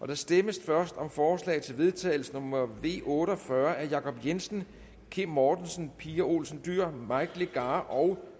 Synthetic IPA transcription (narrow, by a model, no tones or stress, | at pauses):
ʔɒ̽d̥ɑ̈sd̥eməsfɶɐsd̥ɒ̽mfɒːslɛ̰ːɪt͡sʰe̝lʋe̝ð̞ˠt͡sʰɛ̰ːɪl̩sənomɐʋe̝̰ːʔɔ̽ːɾəɒ̽fɶɐʔæɐjɑ̈kʰɒ̽b̥jensn̩ | kʰe̝mmɒːd̥nsn̩pʰiːɐo̝̰ːlsn̩d̥yɐ̰mɑ̈ɪɡ̥leɡ̥ɑːʔɒ̽ʊ